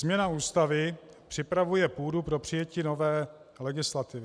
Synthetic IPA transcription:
zmɲɛnauːst̪avɪ | pr̝̥ɪpɾavujɛpuːdupɾo̞pr̥ɪjɛciːno̞vɛː | lɛɡɪslat̪ɪvɪ

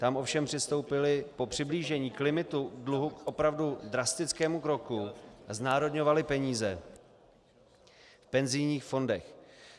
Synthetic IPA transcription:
t̪amʔo̞fʃɛmpr̥ɪst̪o̞wpɪlɪpo̞pr̝̥ɪbliːʒɛɲiːklɪmɪt̪udluɦukʔo̞pɾavdudɾast̪ɪt͡skɛːmukɾo̞kuaznaːɾo̞dɲo̞valɪpɛɲiːzɛ | fpɛnzɪjɲiːxfo̞ndɛx

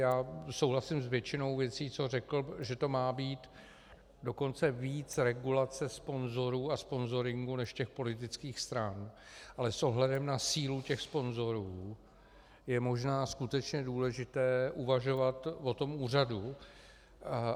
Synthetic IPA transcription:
jaːso̞wlasɪmsvjɛt͡ʃɪno̞wvjɛt͡siːt͡so̞rɛkl̩ʒɛt̪o̞maːbiːt̪ | do̞ko̞nt͡sɛviːt͡sɾɛɡulat͡sɛspo̞nzo̞ɾuːaspo̞nzo̞ɾɪŋɡunɛʃcɛxpo̞lɪt̪̬ɪt͡skiːxst̪ɾanʔalɛsʔo̞ɦlɛdɛmnasiːlucɛxspo̞nzo̞ɾuː | jɛmo̞ʒnaːskut̪ɛt͡ʃɲɛduːlɛʒɪt̪ɛːʔuvaʒo̞vat̪vo̞t̪omuːradu

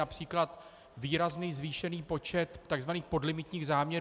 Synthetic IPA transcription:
apr̥iːklat̪ | viːɾazniːzviːʃɛniːpo̞t͡ʃɛt̪ːaɡzvaniːxpodlɪmɪt̪ɲiːɣzaːmɲɛɾ

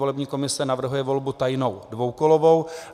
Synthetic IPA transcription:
olɛbɲiːko̞mɪsɛnavr̩ɦujɛvo̞lbut̪ajnowdvowkolovow

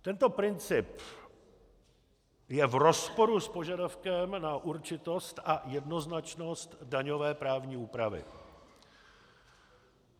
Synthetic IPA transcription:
t̪ɛnt̪o̞pɾɪnt͡sɪp | jɛvro̞spoɾuspo̞ʒadafkɛmnaʔuɾt͡ʃɪt̪o̞st̪ʔajɛdno̞znat͡ʃno̞st̪daɲo̞vɛːpɾaːvɲiːuːpɾavɪ̰

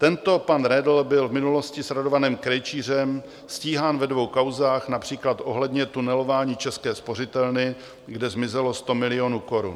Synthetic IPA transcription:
t̪ɛnt̪o̞panɾɛdl̩bɪlvmɪnulo̞scɪsɾado̞vanɛːmkɾɛjt͡ʃiːr̝ɛm | sciːɦaːnvɛdvo̞wkawzaːxnapr̝̥iːklat̪ʔo̞ɦlɛdɲɛt̪unɛlo̞vaːɲiːt͡ʃɛskɛːspo̞r̝ɪt̪ɛlnɪ | ɡdɛzmɪzɛlo̞st̪o̞mɪlɪo̞nuːko̞ɾṵn

